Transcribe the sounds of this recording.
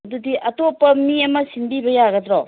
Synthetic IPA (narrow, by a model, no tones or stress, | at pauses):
dudiʔɐtopːɐmiɐmɐsinbibɐjaɡɐdɾɔ